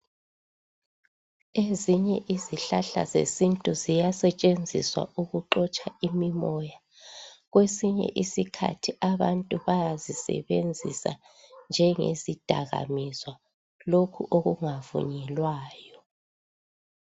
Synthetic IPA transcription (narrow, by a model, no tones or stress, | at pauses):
eziɲɛʔiziɬaɬa̰zḛsintʼuzijasɛt͡ʃʼend͡zʱḭswa̰ʔuɣuǃɔt͡ʃʼaimimɔja | ɣwesiɲɛ̰ʔisikʰa̰tʰiʔaβantʼuβajazisɛ̰βend͡zʱḭsa̰ | nd͡ʒʱɛŋḛzid̥ʱaɣa̰mizwa | lokʰṵʔoɣuŋavṵɲɛlwaːjɔ